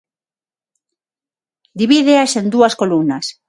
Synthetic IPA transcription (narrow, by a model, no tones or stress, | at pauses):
d̪iβiðeasẽnd̪uaskolumnas